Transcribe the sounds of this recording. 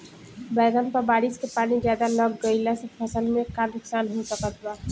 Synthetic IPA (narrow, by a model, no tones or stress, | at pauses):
bɛɡ̪ampabaɽit͡ʃkepanid͡ʒad̪alɔɡɡɔjlasepʰɔsəlmekaniksanɦot̪ɔkat̪ʰba